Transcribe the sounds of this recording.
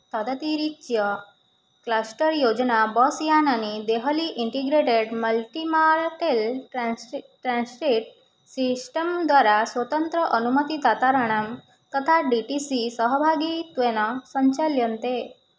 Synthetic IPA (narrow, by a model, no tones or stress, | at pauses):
t̪ad̪ət̪iɾiɕjə | klasʈəɾjod͡ʑnabɔsjananid̪eɦəliʔiɳʈiɡɾeʈeɖməlʈimaɾʈel | ʈɾãnskɾiʈ | sisʈəmd̪ʋaɾasʋət̪ənt̪ɾəʔənumət̪it̪at̪aɾəɳ̃am | t̪ət̪ʰaɖiʈisisəɦəbʱaɡit̪ʋenasə̃ɲt͡ɕaljənt̪e